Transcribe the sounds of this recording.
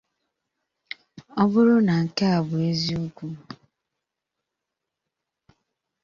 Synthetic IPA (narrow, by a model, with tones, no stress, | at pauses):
ɔ˦bʊ˦ɾʊ˦na˨ŋ̩˨ka˦a˨bʊ˨e˦zi˦u˦kʷu˦